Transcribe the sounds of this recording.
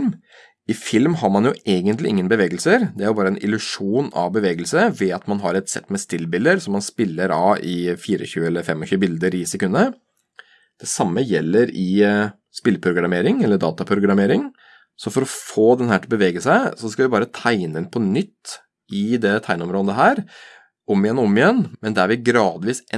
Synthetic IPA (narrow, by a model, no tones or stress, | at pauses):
m | ɪfɪlmhɑɾmɑnjʊʔeːɡənt̪lɪʔɪ̰ŋːənbəʋeːɡəlsəɾd̪ɛæɾjʊbɑːɾəɛnʔɪ̰lʉʂuːnɑ̰ʋbəʋeːɡəlsəʋɛɑt̪mɑnɦɑɾɛt̪sɛ̰t̪ːmɛst̪ɪlːbɪld̪əɾsɔmːɑnspɪlːəɾɑɪfiːɾə̰çʉːəɛlːəfɛmːɔçʉːəbɪld̪əɾɪsɛkʉnːə | d̪̥ɛsɑmːəjɛlːəɾɪ | spɪlpʰɾʊɡɾɑmeːɾɪŋɛlːəɖɑːt̪ɑpʰɾʊɡɾɑmeːɾɪŋ | sɔfɔɾɔfoːd̪ɛnhæːʈʰɪlbəʋeːɡəsæɪsɔskɑlʋɪbɑːɾət̪ʰæɪnəɪnpʰɔnʏt̪ː | ɪd̪ɛt̪ʰæɪnɔmɾoːd̪əɦæːɾ | ɔmːɪɛnɔɔmːɪjɛnːmɛnd̪æɾʋɪɡɾɑːd̪ʋiːsɛ